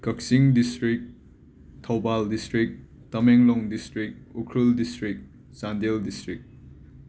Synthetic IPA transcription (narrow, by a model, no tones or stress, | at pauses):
kɐk̚siŋdistɾik̚ | tʰɐwbaldistɾik̚ | tɐmeŋlɔŋdistɾik̚ukʰɾuldistɾik̚ | sandeldistɾik̚